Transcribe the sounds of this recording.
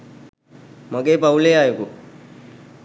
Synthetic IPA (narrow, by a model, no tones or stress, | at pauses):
maɡeːpauleːaːjuku